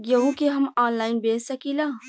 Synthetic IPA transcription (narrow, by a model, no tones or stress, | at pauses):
jɐɦũkeɦɐmaːnlaːɪnbeːsɐkilaː